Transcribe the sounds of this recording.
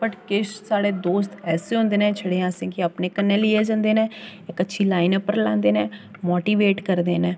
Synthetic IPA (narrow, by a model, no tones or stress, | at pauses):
pəʈkɪʃsaːɽeːd̪oːst̪ɛːseːɦõːnd̪eːnɛ̃ːt͡ʃʰəɽeːãːsẽːkiapneːkənːẽːliːeːd͡ʒãːnd̪eːnɛ̃ːɪkətːʃʰiːlaːinəpːəɾlã̰ːnd̪eːnɛ̃ː | moːʈiːʋeːʈkəɾd̪eːnɛ̃ː